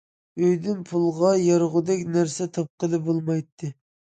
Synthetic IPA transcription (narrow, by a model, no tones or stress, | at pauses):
øjd̪ynpʰulˠʁɑjɑɾʁʊd̪ɛkʲnæɾsɛt̪ʰɑp̚qəlˠɨbolˠmɑjt̪ʰːɨ